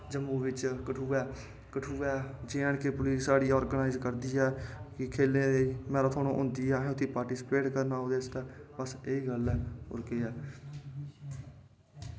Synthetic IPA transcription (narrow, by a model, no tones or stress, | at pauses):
d͡ʒəmːũːʋɪt͡ʃkəʈʰuːɛː | kəʈʰuːɛːd͡ʒeːəɳkeːpʊliːssaːɽiːɔːɾɡənaːɪzkəɾd̪iːɛːkɪkʰeːlẽːd̪eimɛ̃ːɾaːt̪ʰoːñõːʔʊ̃ːnd̪iːɛ̃ːʊt̪ʰːiːpaːɾʈiːsɪ̥peːʈkəɾnaːoːd̪eːst̪ɛːpəseːiːɡəlɛːʊ̰ɾkeːɛː